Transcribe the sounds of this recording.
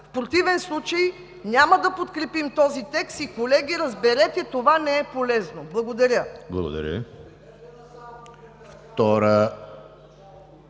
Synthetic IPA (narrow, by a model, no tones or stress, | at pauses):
fpɾot̪ivɛnslˠut͡ʃəj | nʲamɐd̪ɐpot̪kɾɛpimt̪ɔzit̪ɛkst̪ikolɛɡʲiɾəzbɛɾɛt̪ɛt̪ovanɛɛpolɛznoblˠɐɡod̪ɐɾʲəblˠɐ̰ɡo̰d̪ɐ̰ɾʲə̰ | ft̪ɔɾə